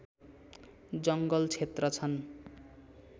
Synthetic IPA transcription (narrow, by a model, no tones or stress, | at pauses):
d͡zʌŋɡʌlt͡sʰet̪rʌt͡sʰʌn